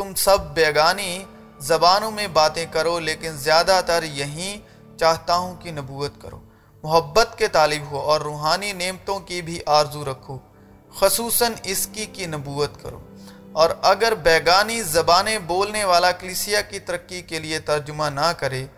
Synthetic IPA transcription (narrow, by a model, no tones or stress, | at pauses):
t̪ʊmsɐbʱːɛːɡaːni | zɐbaːnõmẽbaːt̪ẽkɐɾoleːkɪnzjaːd̪at̪əɾjɐɦĩ | t͡ʃaːɦt̪aːɦõkinɐbuːət̪kɐ̰ɾo̰ː | mʊɦəbːət̪ket̪aːlɪbɦoɔːɾːuːɦaːnineːmt̪õkibʱiʔaːɾzuɾɐkʰoː | xʊsuːsənɪskikinɐbuːət̪kɐ̰ɾo̰ː | ɔːɾɐɡəɾbɛːɡaːnizɐbaːnẽboːlneʋaːlakɐliːsijakit̪ɐɾəkːikeliet̪ɐɾd͡ʒʊmanɐkɐɾeː